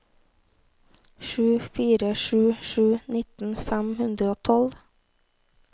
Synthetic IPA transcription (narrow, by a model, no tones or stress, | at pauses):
ʃʉːfiːɾəʃʉːʃʉːnɪt̪n̩fæmhʉnd̪ɾəoːt̪ʰɔl